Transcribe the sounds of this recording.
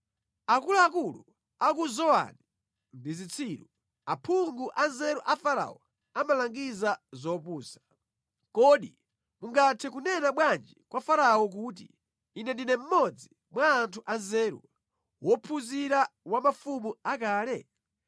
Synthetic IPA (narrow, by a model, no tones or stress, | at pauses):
akuluakulu | ak̬uzɔa̰ni | ndizit͡sʰiːɾu | apʰuŋɡuʔanzɛɾuʔafaɾa̰ɔ̰ | amalaŋɡizazɔpuːsḁ | kɔɗi | muŋɡatʰɛkunɛnaɓwand͡ʒikwafaɾaɔk̬ut̬ḭː | nɛndinɛm̩mɔd͡zi | mwaːntʰuʔanzɛːɾṵ | wɔpʰuziɾawamafumuak̬aːlɛ